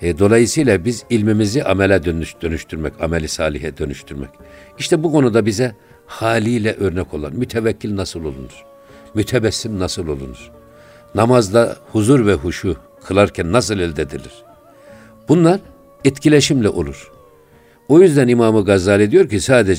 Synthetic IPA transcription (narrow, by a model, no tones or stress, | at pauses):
d̪o̞lˠajɯsɯjlˠabizilʲmimiziʔamɛlʲɛd̪ønd̪ønyʃt̪ʰyɾmɛcamɛlʲisaːlʲiɦɛd̪ø̞nyʃt̪ʰyɾmɛ̰c | iʃt̪ʰɛbukʰo̞nud̪abizɛ | haːlʲijlʲɛʔø̞ɾnɛkʰo̞lˠa̰nmyt̪ʰɛvɛcʰːilʲnasɯlˠo̞lˠṵnuɾ̥ | myt̪ʰɛbɛsːimnasɯlˠo̞lˠṵnuɾ̥ | namazlˠahuzuɾvɛɦuʃu | kʰɯlˠaɾcʰænːas̬ɯlˠɛlʲd̪ɛd̪ilʲiɾ̥ | b̥unlˠaɾ | ɛt̪cʰilʲeʃimlʲɛʔo̞̰lˠuɾ̥ | o̞jyzd̪ænimaːmɯɡazːaːlʲˠid̪ijo̞ɾcisaːd̪ed͡ʒ